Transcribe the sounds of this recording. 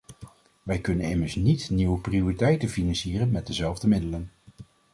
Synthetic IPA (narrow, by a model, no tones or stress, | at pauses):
ʋɛjkɵnənɪməɹsnitniwəpriʊritɛjtənfinɑnsiːrənmɛt̚dəzɛlˠvdəmɪdələn